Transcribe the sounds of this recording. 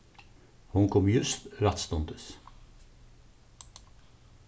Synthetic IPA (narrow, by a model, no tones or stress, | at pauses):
hʊnkʰɔmjʉst̪ɾɑt̪st̪ɔnt̪əs